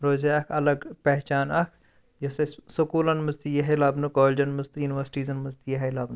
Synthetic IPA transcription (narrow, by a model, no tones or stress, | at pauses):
ɾoːzeɐkʰɐlɐɡpɛɦt͡ʃaːnɐkʰ | jɐsɐsukuːlɐnmɐzt̪ijɐɦɐlɐːbnukoːlʲd͡ʒɐnmɨzt̪junʋɐɾsʈiːzɐnmɐzt̪ijɐɦɐlɐbn